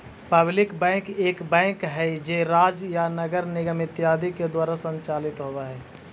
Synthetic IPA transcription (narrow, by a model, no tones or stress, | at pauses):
pəblɪkbɛ̃ːkeːkbɛ̃ːkɦɛd͡ʒeːɾaːd͡ʒjanəɡəɾnɪɡəmɪt̪jaːd̪iked̪waːɾasə̃ɲt͡ʃaːlɪt̪ɦoːʋaɦɛː